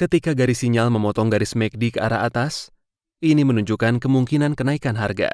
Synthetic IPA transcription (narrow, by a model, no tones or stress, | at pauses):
kət̪ikaɡaɾisiɲalməmɔt̪ɔŋɡaɾismɛk̚dikəa̰ɾaat̪as | ʔinimənuɲd͡ʒukankəmuŋkinankənaikanɦarɡa̰